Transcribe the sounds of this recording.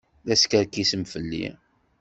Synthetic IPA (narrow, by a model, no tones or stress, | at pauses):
ðæskəɾkisəmfəlːḭ